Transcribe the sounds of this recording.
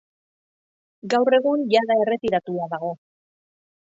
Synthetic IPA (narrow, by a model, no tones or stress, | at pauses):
ɡawre̞ɣunjaðae̞re̞t̪iɾat̪uaðaɣ̞o̞